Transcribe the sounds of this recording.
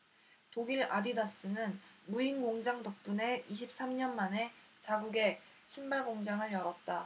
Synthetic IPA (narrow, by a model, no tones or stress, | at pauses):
toɡiɾadidas͈ɯnɯnmuiŋɡoŋd͡ʑaŋdʌk̚p͈une̞iɕʰip̚s͈amɲʌnmane̞ | t͡ɕaɡuɡe̞ | ɕʰimbaɭɡoŋd͡ʑaŋɯɭjʌɾʌt̚t͈a